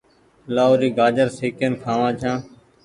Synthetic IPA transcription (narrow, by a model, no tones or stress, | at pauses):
laːoːɾiːɡaːd͡ʒəɾsiːkənkʰãːʋãːt͡ʃʰãː